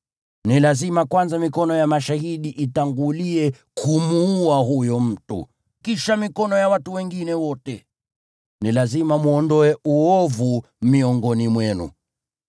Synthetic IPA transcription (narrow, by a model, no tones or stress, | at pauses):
nilazimakwanzamikɔnɔjamaʃahiɗiʔitaŋɡuliɛ | kʰumuːaɦujɔm̩tṵ | kiʃamikɔnɔjawatuwɛŋɡinɛwɔtɛ | nilazimamuɔndɔɛuɔvu | miɔŋɡɔnimwɛnṵ